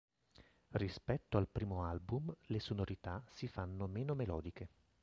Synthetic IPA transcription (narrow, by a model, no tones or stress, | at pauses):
rispɛt̪ːoalpɾiːmoalbumlesonoɾit̪asifanːomeːnomelɔːd̪ike